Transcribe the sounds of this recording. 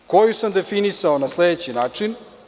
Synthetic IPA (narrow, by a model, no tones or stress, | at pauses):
ko̞jusamd̪e̞finisaonasled̪et͡ɕinaːt͡ʂin